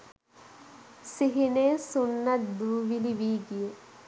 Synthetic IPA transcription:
siɦineːsunːɐt̪d̪uːʋiliʋiːɡije

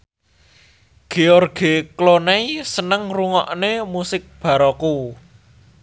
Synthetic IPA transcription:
ɡ̥eɔrɡ̥eklonaisənəŋruŋɔ̰ʔnemusɪk̚b̥a̤ɾɔku

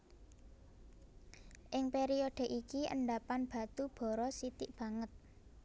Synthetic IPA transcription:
ʔɪŋpeɾioɖ̥ɛ̤ʔikiə̰ɳɖapanb̥a̤t̪ub̥ɔ̤ɾɔsit̪ɪʔb̥ä̤ŋət̪̚

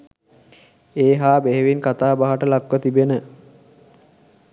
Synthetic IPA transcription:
eːɦaːbeɦeʋinkat̪aːbaɦaʈəlakʋət̪ibenə

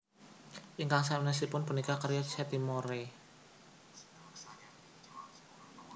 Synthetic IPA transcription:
ʔiŋkaŋsanas̬ipʊnpənikakəɾjat͡ʃɛt̪imoɾe

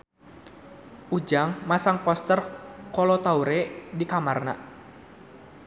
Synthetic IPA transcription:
ʔud͡ʒaŋmasaŋpɔst̪ərkɔlɔt̪auɾɛdikamarna̰

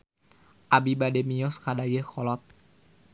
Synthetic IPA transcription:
ʔabibadɛmijɔskadajəkɔlɔt̪̚

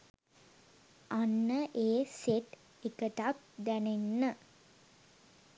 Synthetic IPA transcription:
ʔanːəʔeːseʈ | ekəʈat̪̚d̪ænenːə

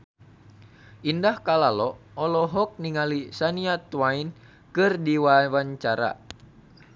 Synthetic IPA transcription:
ʔindahkalalɔɔlɔɦɔk̚niŋalisaniat̪wain | kɨrdiwawaɲt͡ʃaɾa̰

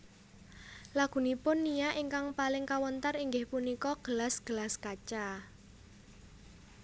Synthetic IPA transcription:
laɡ̥ṳnipʊnːijaʔiŋkaŋpalɪŋkawənt̪əriŋɡɪhpunikɔɡ̥əlasɡ̥əlaskat͡ʃa

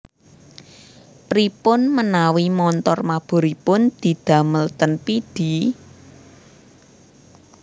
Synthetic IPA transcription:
pɾipʊnmənawimɔnt̪ɔrmab̥o̤ɾipʊnd̪̥i̤d̪̥ä̤məlt̪ənpid̪̥i̤

